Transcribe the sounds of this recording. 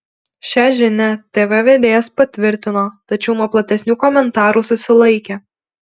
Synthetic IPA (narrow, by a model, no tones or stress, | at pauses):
ʃʲɛʒʲɪnʲɛt̪ʲeːʋɛʋʲeːd̪ʲeːjɛspɐt̪ʲʋʲɪɾʲt̪ʲɪnoːt̪ɐt͡ʃʲɛʊnuɔplˠɐt̪ʲɛsʲnʲuːkɔmʲɛnt̪ɑːɾuːsʊsʲɪlˠɐɪkʲeː